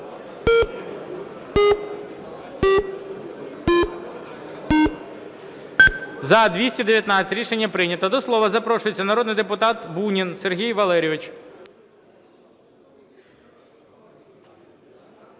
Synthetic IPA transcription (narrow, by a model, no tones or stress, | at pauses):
zɐd̪ʋʲisʲtʲid̪eʋʲjɐt̪nɑt͡sʲɪtʲɾʲiʃenʲːɐpɾɪnʲɐt̪ɔd̪ɔslˠɔʋɐzɐpɾɔʃʊjet͡sʲːɐnɐɾɔd̪nɪjd̪epʊt̪ɑt̪bunʲinserɦʲijʋɐlˠɛɾʲɪʋɪt͡ʃ